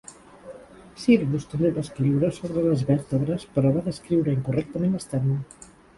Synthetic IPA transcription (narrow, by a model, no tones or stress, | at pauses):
siɾβust̪əβeðəskɾiwɾəsoβɾələzβɛt̪əβɾəspəɾɔβaðəskɾiwɾəiŋkurɛk̚t̪əmenəst̪ɛə